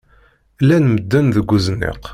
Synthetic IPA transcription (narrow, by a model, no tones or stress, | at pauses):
lænməd̪ːænðəɡʷːuznḭq